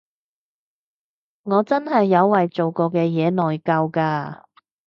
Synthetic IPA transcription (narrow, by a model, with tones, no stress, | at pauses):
ŋɔː˨˧t͡sɐ˥nɦɐ˨jːɐ˨˧wːɐ˨jt͡so˨wkɔː˧kɛː˧jɛː˨˧nɔː˨jkɐ˧wkaː˧